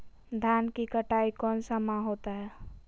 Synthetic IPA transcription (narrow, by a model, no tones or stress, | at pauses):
d̪ʱjaːnkikəʈaːikɔːnsəmãɦoːt̪aɦɛː